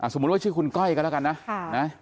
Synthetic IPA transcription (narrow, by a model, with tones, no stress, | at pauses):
ʔaː˧˩so˨˩˦m˦˥t̚waː˥˩t͡ɕɯ˥˩ku˧nkɔ˥˩jiː˨kla˦˥˩ka˧nːa˦˥na˦˥